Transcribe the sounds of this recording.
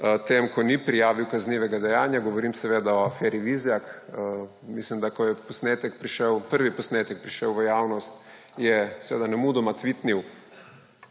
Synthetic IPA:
t̪emkɔnipɾijaːʋiwkazniːʋɛɡad̪ɛjaːnjaɡɔʋɔɾiːmsɛʋeːd̪aɔafɛːɾiʋizjak | mislimd̪akɔjɛpɔsnet̪ɛk̚pɾiʃɛwpəɾʋipɔsneːt̪ɛk̚pɾiʃəwʋəjaːwnɔst̪ | jɛsɛʋeːd̪anɛmud̪ɔmat̪ʋit̪niw

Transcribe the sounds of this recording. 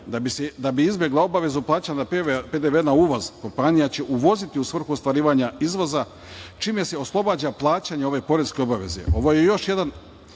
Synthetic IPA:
d̪abised̪abiizbje̞ɡlˠao̞baʋe̞zuplˠaːt͡ɕanapeped̪eʋenauːʋozko̞mpanijat͡ɕe̞ʔuʋo̞zit̪iusʋr̩xuost̪ʋaɾiːʋaɲaizʋo̞za | t͡ʃiːmese̞o̞slˠo̞baːd͡ʑaplˠaːt͡ɕaɲeo̞ʋe̞po̞ɾeske̞o̞baʋe̞̰zḛo̞ʋo̞je̞jo̞ʃje̞d̪an

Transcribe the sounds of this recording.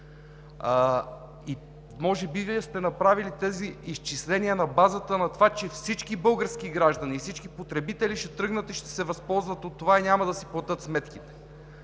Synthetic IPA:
i | mɔʒɛbiviɛst̪ɛnɐpɾavilit̪ɛziːst͡ʃislɛniənɐbazət̪ənɐt̪ovat͡ʃɛfsit͡ʃkibɤlˠɡəɾskiɡɾaʒd̪ɐnifsit͡ʃkipot̪ɾɛbit̪ɛliʃɛt̪ɾɤɡnət̪iʃt̪ɛ̥sɛvɐspɔlˠzvət̪ot̪ːovainʲamɐd̪ɐsiplˠɐt̪ɤt̪smɛt̪kit̪ɛ̥

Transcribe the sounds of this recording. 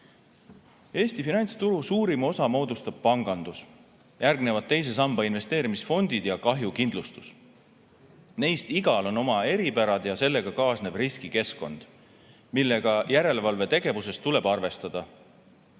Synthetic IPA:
e̞ːst̪ifinɑjnʲt̪st̪uɾusuːɾimo̞sɑmo̞ːd̪ust̪ɑb̥̚pɑŋɡ̥ɑnd̪̥us | jærɡne̞vɑd̪̥̚t̪ːe̞js̬e̞sɑmb̥ɑinve̞st̪e̞ːɾimisfo̞nʲd̪id̪̥jɑkɑɦjukind̪lust̪us | ne̞jst̪iɡ̥ɑlo̞no̞mɑe̞ɾipæɾɑd̪̥jɑse̞lːe̞ɡ̥ɑkɑːsne̞b̥riskike̞sko̞̰nd̪̥ | milːe̞ɡ̥ɑjæɾe̞levɑlve̞t̪e̞ɡ̥e̞vuse̞st̪ːule̞b̥ɑrve̞st̪ɑd̪̥ɑ

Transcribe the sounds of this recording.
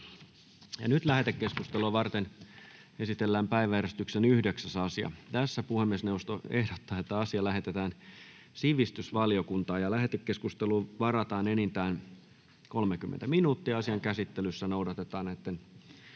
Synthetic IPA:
jɑnyt̪læhet̪ekːeskust̪eloʋɑrt̪en | esit̪elːæːmpæiʋæjæɾest̪yksenyhdeksæsɑsiɑ̰t̪æsːæpuhemːiesneust̪oehdot̪ːɑːet̪ːæɑsiɑlæɦet̪et̪æːn | siʋist̪ysʋɑliokunt̪ɑːjɑlæɦet̪ekːeskust̪eluːʋɑrɑt̪ɑːnenint̪æːn | kolmekymːḛnt̪æminuːt̪ːiɑɑsiɑŋkæsit̪ːelysːænoudɑt̪et̪ɑːnet̪ːen

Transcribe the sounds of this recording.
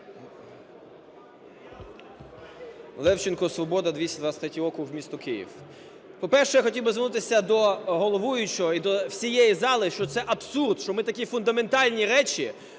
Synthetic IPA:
lˠɛwt͡ʃɪnkɔsʋɔbɔd̪ɐd̪ʋʲisʲɐd̪ʋasʲt̪ʲɾʲɛt̪ʲiɔkʊwmʲist̪ʊkɪjḭw | pɔpɛrʃɛjaxɔtʲiwbɪzʋɪɾnut̪ɪsʲɐd̪ɔɦɔlˠɔʋujʊt͡ʃɔɔid̪ɔwsʲijejizɑlˠɪʃt͡ʃɔt̪sɛʔɐbsurd̪ʃt͡ʃɔmɪt̪ɐkʲifʊnd̪ɐme̞nt̪ɑlʲnʲiɾɛt͡ʃi

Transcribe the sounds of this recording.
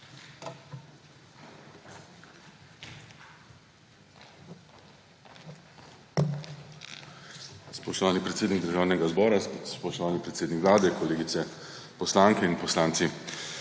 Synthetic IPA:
spɔʃt̪ɔʋaːnipɾɛt̪seːd̪niɡd̪əɾʒaːwnɛɡazbɔːɾaspɔʃt̪ɔʋaːnipɾɛt̪seːd̪nikʋlaːd̪ɛkoleːɡit̪sɛ | pɔslaŋkɛinpɔslaːnt̪si

